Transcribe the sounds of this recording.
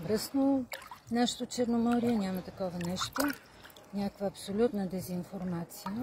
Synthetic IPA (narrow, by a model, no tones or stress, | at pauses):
bɾɤsnonaʃɛ̥t̪ot͡ʃɛɾnomɔɾijɛnʲamɐt̪ɐkɔvɐnɛʃt̪o | nʲakvəːpsolʲut̪nɐd̪ɛzinfoɾmat̪sijə